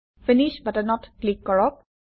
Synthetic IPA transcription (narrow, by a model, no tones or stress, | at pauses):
finiʃbatanɔtklikːɔɹɔk̚